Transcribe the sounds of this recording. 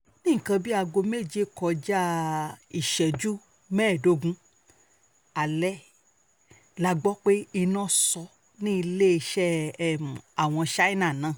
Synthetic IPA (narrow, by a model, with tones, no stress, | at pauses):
nĩ˦˨kã˧bi˦a˧ɡo˧me˦˨d͡ʒe˦kɔ˧d͡ʒa˦i˦˨ʃɛ˨d͡ʒu˦ | mɛː˦˨do˧˦ɡũ˦ | a˨lɛ˦ | la˨ɡ͡bɔ˦k͡pe˦i˧nɔ̃˦sɔ˧ | nĩ˦i˧le˦i˧ʃɛ˦˨m˨a˨w̃ɔ̃˧ʃa˦i˦nã˦˨nã˨˦˨